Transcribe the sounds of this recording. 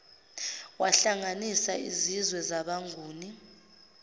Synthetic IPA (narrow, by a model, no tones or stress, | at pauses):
waɬaŋanisaizizwɛzaɓaŋʱuːni